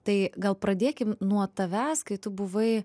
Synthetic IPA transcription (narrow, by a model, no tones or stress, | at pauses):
t̪ɐɪɡɐlˠpɾɐd̪ʲeːkʲɪmnuɔt̪ɐʋʲæːskɐɪt̪ʊbʊʋɐɪ